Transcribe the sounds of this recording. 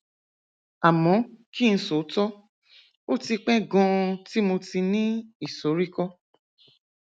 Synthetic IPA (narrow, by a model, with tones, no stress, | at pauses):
a˨mɔ̃˨˦ki˦˧n̩˧˦so˨˦tɔ˦ | o˦ti˧k͡pɛ˦ɡɔ̃˧ti˦mo˧ti˧nĩ˦i˦˨so˨˦ɾi˦kɔ˦